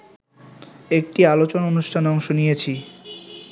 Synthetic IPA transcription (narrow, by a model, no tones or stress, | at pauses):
ek̚ʈialot͡ɕonaonuʃʈʰanɔŋʃonijet͡ɕʰi